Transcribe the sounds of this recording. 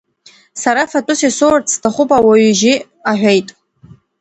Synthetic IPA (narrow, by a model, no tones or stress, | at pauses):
saɾafatʼʊsisort͡sʰtʰaχʷʊpʼawaɥʏʒi | aħʷᶣejtʼ